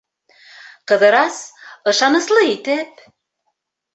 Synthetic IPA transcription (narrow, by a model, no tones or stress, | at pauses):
qɤ̆ðɤ̆ɾɑsɤ̆ʃɑnɤ̆slˠɤit̪ɘp̚